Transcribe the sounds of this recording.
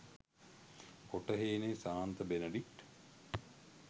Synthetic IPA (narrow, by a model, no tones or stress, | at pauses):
koʈəɦeːnesaːnt̪əbenəɖikʈ